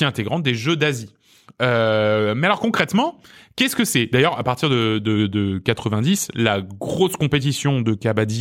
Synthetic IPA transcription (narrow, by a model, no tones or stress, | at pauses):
iɛ̃t̪eɡʁɑ̃t̪̚d̪eʒød̪azi | ømɛalɔʁkɔ̃kχɛt̪mɑ̃kʲɛskəsɛd̪ajœʁapaʁt̪iʁd̪əd̪əd̪əkat̪χəvɛ̃d̪islaɡʁoskɔ̃pet̪̬isjɔ̃d̪əkabad̪i